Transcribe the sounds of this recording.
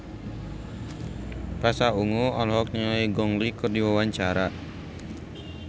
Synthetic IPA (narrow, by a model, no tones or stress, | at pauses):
pasauŋoɔlɦɔk̚niŋaiɡɔŋlikərdiwawaɲt͡ʃaɾa